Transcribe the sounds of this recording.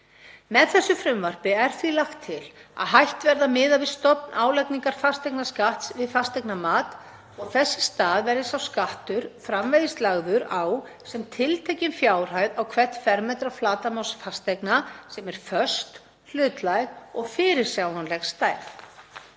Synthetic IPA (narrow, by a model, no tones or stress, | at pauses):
mɛðθɛsːʏfɾʏmvar̥pɪɛɾ̥θilaxt̪ʰːɪla̰ðɦajht̪vɛɾðamɪːðavɪðst̪ɔpnʔaːwlɛjkniŋkaɾ̥fast̪ɛjknaskaht̪svɪðfast̪ɛjknamaːt̪ | ɔɣθɛsːɪ̥st̪aːðvɛɾðɪsawskaht̪ʏɾ̥fɾamvejðɪst̪laɣðʏɾaw | sɛmt̪ʰɪlt̪ʰejcɪnfjaːwr̥ajðawkʰvɛ̥t̪fɛɾmɛt̪ɾaflaːt̪amawsfast̪ɛjknasɛmɛɾ̥fœ̥st̪ | l̥ʏːt̪lajɣɔɣfɪːɾɪɾ̥sjawnanlɛɣst̪aːjɾ